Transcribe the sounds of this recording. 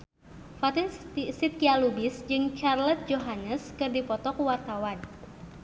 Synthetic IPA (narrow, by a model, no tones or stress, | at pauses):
fat̪insit̪̚kialubɪsd͡ʒɨŋt͡ʃarlɛt̪̚d͡ʒoɦanəskɨrdipɔt̪ɔkuwart̪awan